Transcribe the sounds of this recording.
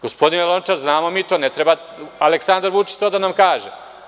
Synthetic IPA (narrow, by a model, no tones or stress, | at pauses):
ɡ̥ospod̪inelˠont͡ʃaɾznaːmomiːt̪o̞ːnet̪ɾeba | aleksand̪aɾʋut͡ʃi̥t͡ʃt̪oːd̪anamkaːʒe